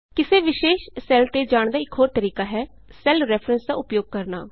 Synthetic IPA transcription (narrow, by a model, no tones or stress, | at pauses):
kɪseːʋɪʃeːʃsɛːlt̪eːd͡ʒaːɳd̪aːɪkɦoːɾt̪əɾiːkaːɦɛː | sɛlɾɛːpʰɾənsd̪aːʊpjoːɡ̚kəɾna̰ː